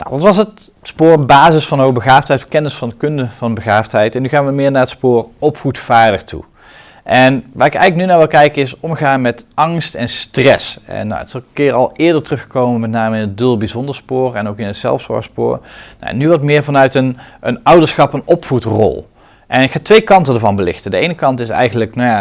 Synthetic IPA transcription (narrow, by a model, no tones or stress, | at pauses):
na̰wʋɑtʋɑsət | spʊːɹbaːzəsfɑnowbəɣaːftɦɛjtbəkɛnəsfɑndəkɵndəv̥ɑnbəɣaːftɦɛjtɛnːyɣaːnʋəmɪːɹnaːɹətspʊːrɔpfutfaːɹdəɹtʰṵ | ʔɛnʋa̰ːrɪkɛ̰jɣləknynaːɹʋɪlˠkɛjkəɪsɔmχaːnmɛtɑŋstɛnstrɛsɛ̰nːa̰ə̰tɪslˠəkɪːɹɑlˠʔɪːɹdəɹtərɵχə̥kowməmɛtnaːməɪnɦət̚dølˠbizɔndəɹspʊːrɛnowkɪnətsɛ̰lˠfsʋɔ̰ɹxspʊ̰ːɹna̰ɛ̰nːyʋɑtmɪːɹvɑnœɥtənənʌwdəɹsχɑpənɔpfutrɔ̰lˠ | ʔɛnɪkxaːtʋejkɑntədəːɹvɑnbəlɪ̰xtədəejnəkɑntɪsɛ̰jɣənləknajaː